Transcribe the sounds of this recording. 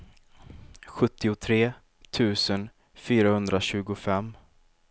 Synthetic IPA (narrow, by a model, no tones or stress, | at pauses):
ɧɵt̪ːɪʊt̪ʰɾeː | t̪ʰʉ̟ːsən | fyːɾahɵnd̪ɾaɕʉ̟ːɡʊfɛmː